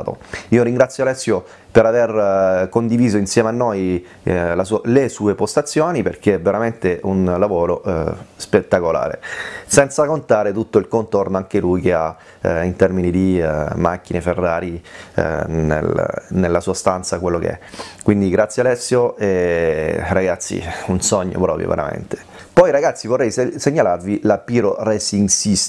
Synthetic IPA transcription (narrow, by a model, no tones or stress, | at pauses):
t̪o̰iːoɾiŋɡɾat̪sːjoalɛsːjo | peɾaverkond̪iviːzoinsjɛːmeanːoj | lasulesuːepost̪at̪sːjoːniperkeɛveɾament̪eʔunlavoːɾospet̪ːakola̰ːɾḛsɛnt̪sakont̪aːɾet̪ut̪ːoilkont̪ornoaŋk̟elujkea | int̪ɛrminid̪imakːineferːaːɾi | nḛl̰nelːasuːast̪ant̪sakwelːokḛɛ̰kwind̪iɡɾat̪sjealɛsːjoe | raɡat̪sːḭunsɔɲːo̰pɾɔːpɾjo̰vḛɾa̰mḛnt̪e̥ | pɔjɾaɡat̪sːivorːɛjsseɲːalarvilapiːɾorɛsiŋsis